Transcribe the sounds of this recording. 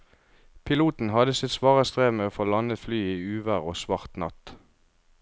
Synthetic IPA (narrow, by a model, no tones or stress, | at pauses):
pʰɪluːt̪n̩hɑd̪əsɪt̪sʋɑːʁəst̪ʁeːʋmeːoːfoːlɑnət̪flyːiːʉːʋəʁoːsʋɑʁt̪nɑ̰t̪